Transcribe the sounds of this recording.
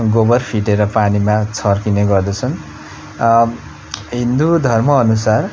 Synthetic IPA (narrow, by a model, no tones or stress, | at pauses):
ɡobʌrpʰiʈeɾʌpanimat͡sʰʌrkineɡʌrd̪ʌt͡sʰʌn | ɦind̪ud̪ʱʌrmʌːnusar